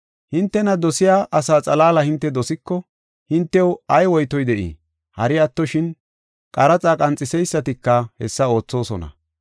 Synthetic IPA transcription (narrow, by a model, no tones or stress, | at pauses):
hɪnt̪ːɛnɐd̪ɔsɪjaːʔɐsaːt͡sʼɐlaːlɐhɪnt̪ːɛd̪ɔsɪkːɔ | hɪnt̪ːɛwɐjwɔjt̪ɔjd̪ɛʔḭː | hɐɾɪɐt̪ːɔʃɪn | kʼɐɾɐt͡sʼaːkʼɐnt͡sʼːɪsɛjsːɐt̪ɪkːɐhɛ̰sːɐo̞ːt͡sːo̞ːsɔ̰nɐ̰